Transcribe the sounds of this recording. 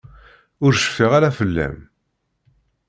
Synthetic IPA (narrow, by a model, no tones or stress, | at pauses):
ʊɾʃə̥fːiʁaɾafəlːæ̰m